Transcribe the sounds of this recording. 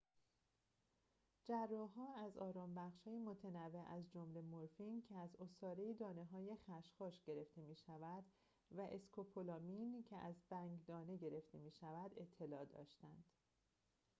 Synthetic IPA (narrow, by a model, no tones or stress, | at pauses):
d͡ʒærːɒɦɒːæzɒːɾɒːmbæχʃhɒːjemo̞t̪ʰenævːeʔæzd͡ʒomle̞moɾfincʰeæzosɒːɾejid̪ɒːne̞ɦɒːje̞xæʃxɒːʃɟ̥e̞ɾe̞ft̪e̞miːʃævæd̪̥ | væʔe̞skʰopʰolɒːmincʰe̞ʔæzbæŋɟd̪ɒːne̞ɟe̞ɾe̞ft̪ʰe̞miːʃævæd̪e̞t̪ʰːe̞lɒːd̪ɒ̰ːʃt̪ænd̪̥